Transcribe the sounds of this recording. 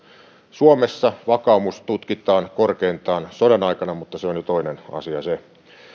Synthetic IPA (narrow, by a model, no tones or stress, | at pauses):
suomesːɑʋɑkɑˑumust̪ut̪kit̪ˑɑːnkorkeint̪ˑɑːnsodɑnɑikɑnɑmut̪ːɑseonjot̪oinenɑ̰siɑse